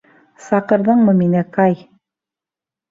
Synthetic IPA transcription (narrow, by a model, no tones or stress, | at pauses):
sɑqɤ̆ɾðɤɴmɤminækɑj